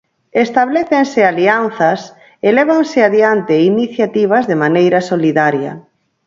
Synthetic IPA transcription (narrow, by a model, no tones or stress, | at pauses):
est̪aβleθensɪalianθɐs | elɛβ̞aŋsɪaðiant̪ɪiniθjat̪iβ̞ɐzðemanejɾɐsoliðaɾjɐ̰